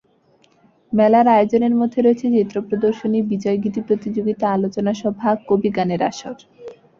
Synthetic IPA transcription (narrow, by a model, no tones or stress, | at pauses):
mɛlaɾaeod͡ʑoneɾmod̪ʱeɾoet͡ɕʰed͡ʑet̪ːɾopɾod̪oɾʃonibid͡ʑɔeɡit̪ipɾot̪id͡ʑoɡit̪aalot͡ɕonaʃɔbʱakobiɡaneɾa̰ʃoɾ